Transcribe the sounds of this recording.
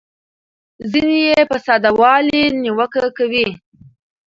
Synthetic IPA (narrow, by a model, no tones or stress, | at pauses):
zinejepəsɑd̪awɑliniwəkakawi